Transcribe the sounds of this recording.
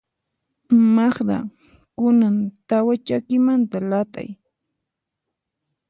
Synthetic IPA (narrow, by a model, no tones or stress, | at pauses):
maχd̪a̰ | kʊnant̪awat͡ʃakɪmant̪alat̪a̰j